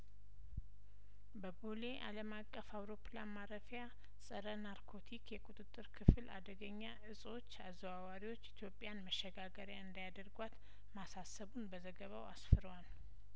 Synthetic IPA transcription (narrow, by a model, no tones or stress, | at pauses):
bəbole̞ʔa̰ləmakʼːəfawɾo̞planmaɾəfja | sʼəɾənaɾkʰo̞t̪ʰikʰjɛkʼut̪ʼɨt̪ʼːɨɾkʰɨfɨlʔa̰d̪əɡəɲːaʔɨsʼo̞t͡ʃːazəβawaɾiwo̞t͡ʃːit̪ʰjo̞pʼːjanməʃːɛɡaɡəɾjaɨnd̪ajad̪əɾɡwat̪ | masasəβunbəzəɡəβawa̰sfɨɾwal